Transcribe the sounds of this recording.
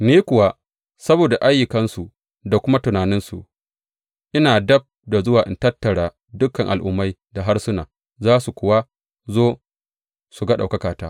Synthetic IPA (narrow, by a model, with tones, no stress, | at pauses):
niː˦kʷʊ˨wa˦ | sɐ˦boː˨da˨ʔa˦jːʊ˨kɐ˦nsu˨ | da˨kʷʊ˦ma˦tʊ˨naː˨nɪ˦nsu˨ʔ | ʔɪ˦naː˨dɐ˦b̚da˨zʊ˦waː˨ʔɪ˨ntɐ˦tːɐ˨ɽaː˨ | dʊ˦kɐ˨ŋʔa˨lʔʊ̰˦mːa˦jda˨ɦa˦rsʊ˦na̰ː˨ | zaː˦su˨kʷʊ˨wa˦ | zoː˦ | su˨ɡɐ˦ɗa̰˨wkɐ˦kaː˨taː˦